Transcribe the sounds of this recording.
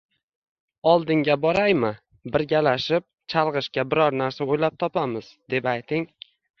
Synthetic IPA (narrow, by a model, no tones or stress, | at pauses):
ɒlˠd̪ɪŋɡʲabɒɾajmɪ | bɪɾɡʲalaʃɪp̚t͡ʃʰalˠʁɨʃkʲabɪɾɒɾnaɾsaojlap̚t̪ʰɒpamɪz̥d̪e̞pajt̪ʰɪŋ